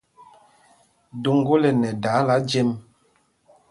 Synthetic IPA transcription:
do˨ŋ˦ɡo˦lɛ˨nɛ˨da˨˦la˨˦d͡ʒɛ˦m

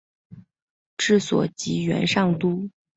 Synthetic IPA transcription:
ʈ͡ʂɻ̩˥˩swɔ̰˨˩t͡ɕi˧˥ɥɛ̰˧˥nʂɑ˥˩ŋt̪u˥

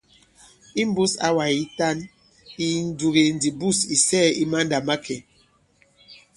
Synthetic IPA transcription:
i˦m˦bu˦sa̰˦wa˨i˦ta˦n | i˦n̩˦du˨ɣe˨n˨di˨bu˦˨si˨sɛ˦˨i˦ma˦n˦da˨ma˦kʰɛ˨

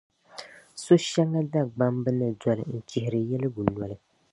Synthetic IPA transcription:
so˦ʃɛ˦ŋːa˦da˦ɡ͡ba˦mbɨ˦nɨ˨dɔ˨lɨ˨n̩˦˨t͡ʃɪ˨hɪ˨ɾɨ˨jɛ˦lɨ˦ɡu˨nɔ˨lɨ˦

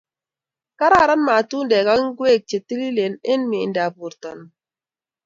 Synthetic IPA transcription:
ka˦ɾa˦˨ɾa˦nma˨tu˦ndɛ˨ka˦ŋ˦ɡwe˦˨k̚t͡ʃe˨ti˦li˦le˨ne˦nmḭ˨nda˨bu˨ɾtɔ˨n

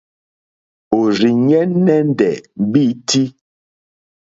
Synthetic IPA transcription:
o˨ɾi˨ɲɛ˦nɛ˦n˦dɛ˨m˨bi˦ti˦

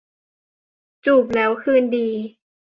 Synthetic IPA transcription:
t͡ɕuː˨˩p̚lɛː˦˥wkʰɯː˧˥˨ndiː˨˧

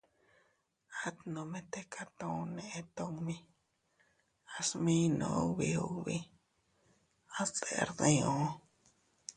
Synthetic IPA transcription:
a˦t̪nõ˨mẽ˦t̪e˦kʰa˦t̪õ˦˧nẽ˨ʔe˧t̪o˦ŋmĩ˦ | a˧smĩ˦nõ̰˧˨o˦βi˧o˧βi˧ | a˦st͡se˨˧ɾðẽ˧˦õ˨˦

